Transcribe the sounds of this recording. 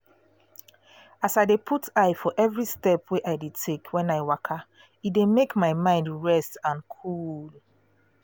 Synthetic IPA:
asaɪdepʰutaɪfɔʔɛvɹistɛpweʔaɪdetʰekʰwɛ̃naɪwakʰa | itdemekmaɪmãɪ̃ndɹɛstãnkʰul

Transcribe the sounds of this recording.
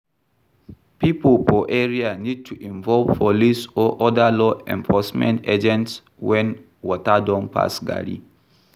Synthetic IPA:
pipəlpɔʔɛɹianid̚tʰuʔĩɱvɔlvpɔlisɔʔɔdalɔɛ̰̃ɱfɔsmɛ̰̃nted͡ʒɛ̃nts | wɛ̃n | wɔtadɔ̃npʰa̰sɡa̰ɹḭ

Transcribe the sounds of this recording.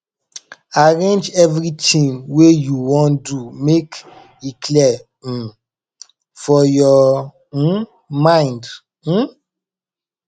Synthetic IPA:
aɹẽnd͡ʒɛvɾitĩŋwejuwɔ̃ndumek | ikʰlɛ | fɔjɔ | mãj̃nd̩

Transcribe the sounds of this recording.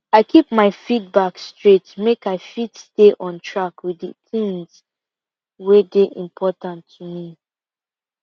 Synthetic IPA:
aɪkʰip̚maɪfit̚bakstɹetmekmaɪfitsteʔɔ̃ntʰɹakwiðiθĩŋz | wedeʔḭ̃mpʰɔtãntʰːumi

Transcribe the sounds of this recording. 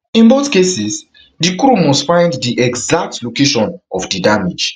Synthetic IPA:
ĩnboθkesis | dikɾumɔstfãɪ̃nddiʔɛɡzak̚tlokeʃɔ̃nɔfdidamid͡ʒ

